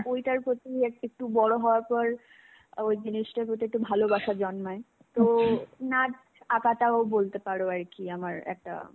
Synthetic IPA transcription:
ojʈaɾpɾot̪iekek̚ʈubɔɽoɦɔoaɾpɔɾ | ojd͡ʑiniʃʈaɾpɾot̪̬iek̚ʈːubʱalobaʃad͡ʑɔnmɔe | t̪onaʈ | akat̪abolt̪epaɾoaɾkiamaɾɛ̰k̚ʈa̰

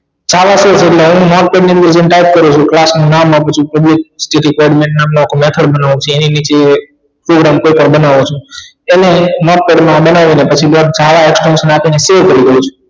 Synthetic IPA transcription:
d͡ʒaʋased͡ʒeʈleɦũmɔʈ̚peɖniə̃nd̪əɾd͡ʒẽnʈajʈ̚kəɾũt͡ʃʰũklasnũnamãpət͡ʃʰũpəblik̚sʈiʈikoiɖmẽɳʈnamnoakomet̪ʰəɽ̚bənaʋũt͡ʃʰueninit͡ʃe | pɾoɡɾamkoipəɳbənaʋũt͡ʃʰũ | enemɔʈ̚peɖmãbənaʋinepət͡ʃʰibad͡ʒaʋaeksʈɔnʃənapineseʋkəɾiɡəũt͡ʃʰu̥

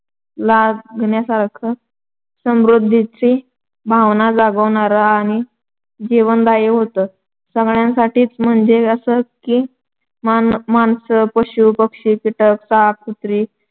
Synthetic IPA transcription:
laɡʱɳjasaɾkʰə | səmɾud̪ʱːitɾi | bʱaʋnad͡zaɡəʋɳaɾəaɽ̃i | d͡ʑiʋənd̪ajeɦot̪ə | səɡɭjãnsaʈʰiːt͡sm̤əɳd͡zeəsəkiː | mmansəpəɕupəkʂiːkiʈək̚sakʰut̪ɾiː

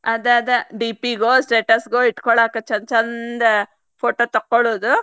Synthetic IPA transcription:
ɐd̪aɐd̪ɐɖiːpiɡosʈeːʈɐsɡoiʈːkɔɭaːkɐt͡ʃɐnt͡ʃɐnd̪ɐ | pʰoːʈoːt̪ɐkːoɭoːd̪u

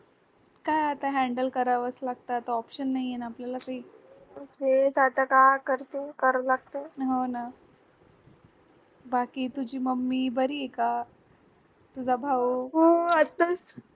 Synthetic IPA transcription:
kajat̪aɦɛ̃ɳɖəlkəɾaʋəslaɡ̚t̪at̪əɔpɕənːaɦienapljalakaɦiː | oked͡zat̪akakəɾt̪ekəɾəlaɡ̚t̪oɦona | bakiːt̪ud͡ʑiːməmːiːbəɾiːeka | t̪ud͡zʱabʱaʋuɦoət̪ːəsʈ

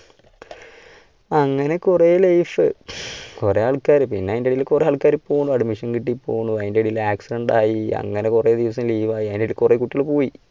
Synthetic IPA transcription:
ɐŋːɐne̞kurelɐjfɨkureaːɭkːaːɾɨpinːeɐjndeɽilkureaːɭkːaːɾɨpːoːɣɳuɐɖmiʂɐnkiʈ̬ːipːoːuɳːuɐjndeɽilaːksiɖɐɳɖaːjiɐ̰ŋːɐne̞kured̪iʋɐs̬ɐmliːʋaːjiɐjndeɽilkurekuʈːijiɭpoːji

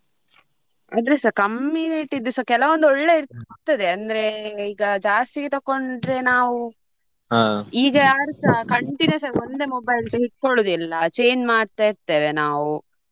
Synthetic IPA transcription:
ɐ̰d̪ɾesɐɾkɐmːiɾiʈid̪ːusɐkɛlɐʋond̪ɔɭːe̞iɾt̪ɐd̪eɐnd̪ɐɾe̞iːɡɐd͡ʒaːst̪iɡet̪ɐkːo̞ɳɖɾe̞naːʋu | ɦaːiːɡɐjaːɾusɐkɐɳʈinɐsaɡond̪e̞ːmobɐjlsɐɦiʈ̚ːkoɭuːd̪ilːɐt͡ʃe̞ːɲd͡ʒmaːɖt̪aːiɾt̪eːʋenaːʋu

